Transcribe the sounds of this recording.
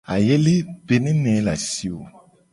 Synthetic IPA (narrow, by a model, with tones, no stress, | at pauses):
a̰˨je˦le˦be˦nĩ˦nɛ̃˨˦la̰˨si˦o˨